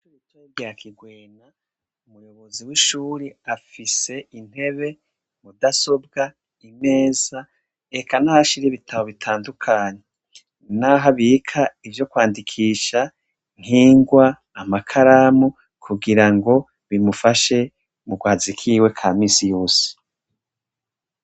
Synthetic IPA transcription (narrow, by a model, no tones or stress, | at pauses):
t͡ʃuut͡ʃeɡakʰiɡweːna | umujo̞βo̞ziwiʃuːɾiafise̞in̥he̞βe̞ | mudaso̞b̚ɡa | ime̞ːza | ekanahaʃiɾiβitʰaβo̞βitʰaːndukʰaːɲe | naɦaβikʰaivjo̞kwaːndikʰiːʃa | ŋ̥hiːŋɡwaː | makʰaɾamu | kʰuɡiɾaŋɡo̞ | βimufaʃe̞ | muɡwaːzikʰiːwe̞kʰaːmiːsijo̞ːse̥